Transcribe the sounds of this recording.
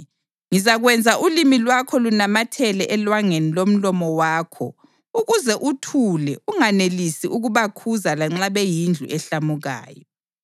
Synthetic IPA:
ŋizaɣwɛnd͡zʱaʔulimilwakʰɔlunamatʰɛlɛʔɛlwaŋenilom̩lɔmɔwaːkʰɔ̰ | uɣuzɛʔutʰulɛʔuŋanelisiʔuɣuβakʰuzalaŋ͡ǁaβɛjind͡ɮʱṵʔɛɬamuɣa̰ːjɔ

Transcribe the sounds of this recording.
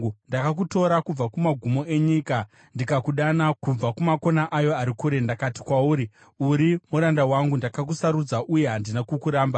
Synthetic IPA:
ndakak̬uto̞ɾakub͡vakumaɡʱumo̞ʔe̞ɲika | ndikakuɗanakub͡vakumako̞naʔajo̞aɾikuɾe̞ndakati̥kwauːɾi | uɾimuɾandawaŋɡundakakusaɾud͡zaʔuje̞ɦandinakukuɾaːmba

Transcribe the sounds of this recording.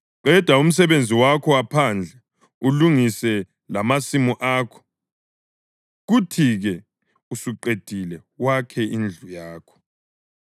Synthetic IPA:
ǃʱɛd̥ʱwaum̩s̬ɛβend͡zʱiwakʰɔwapʰand͡ɮʱɛ | uluŋisɛ | lamasimuʔaːkʰɔ̥ | ɣutʰiɣɛ | usuǃed̥ʱilɛwakʰɛʔind͡ɮʱujaːkʰɔ̥

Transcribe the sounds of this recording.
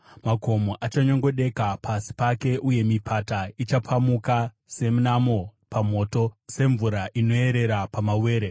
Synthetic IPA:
mako̞moʔat͡ʃaɲo̞ŋɡo̞ɗe̞kapʰasi̥pake̞ʔuje̞mipʰatait͡ʃapʰamuka | se̞munamo̞pamo̞ːto̞se̞ɱvuɾaʔino̞e̞ɾe̞ɾapamawe̞ːɾe

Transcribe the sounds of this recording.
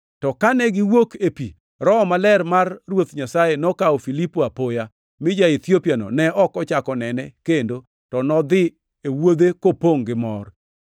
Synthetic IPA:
tɔkanɛɡɪwokepi | ɾɔmalɛrmarːwot̪ɲasajenɔkaofilipoapoja | mɪd͡ʒait̪jopjanɔ̰nɛɔkɔt͡ʃakɔnɛnɛkendo | tɔnɔd̪ɪ | ewod̪ekopoŋɡɪmɔr

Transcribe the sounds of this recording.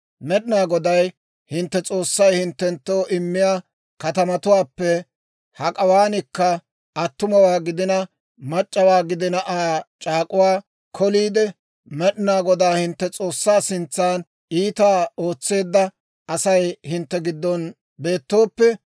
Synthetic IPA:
mɛɗɪnaːɡɔd̪ɐj | hɪnt̪ːɛt͡sʼo̞ːsːɐjhɪnt̪ːɛnt̪ːo̞ːʔɪmːɪjaː | kɐt̪ɐmɐt̪ʊwaːpːɛ | hɐkʼɐwaːnɪkːɐ | ʔɐt̪ːʊmɐwaːɡɪd̪ɪnɐ | mɐt͡ʃʼːɐwaːɡɪd̪ɪnɐʔaːt͡ʃʼaːkʼʊwaː | kʰɔliːd̪ɛ | mɛɗɪnaːɡɔd̪aːhɪnt̪ːɛt͡sʼo̞ːsːaːsɪnt͡sːaːn | iːt̪aːo̞ːt͡sːe̞ːd̪ːɐ | ɐsɐjhɪnt̪ːɛɡɪd̪ːɔn | be̞ːt̪ːo̞ːpːɛ

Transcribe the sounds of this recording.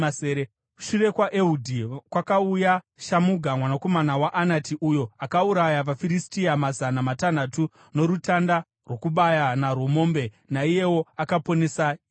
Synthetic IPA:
seːɾe | u̥ʃure̞kwaʔeudʱikwakauja | ʃamuɡʱamwanako̞manawaʔanatiʔujo̞akauɾajaʋafiɾistiamazanamatanatu | no̞ɾutanda | rwo̞kuɓajanaro̞mo̞ːmbe̞ | naije̞wo̞akapo̞nesai

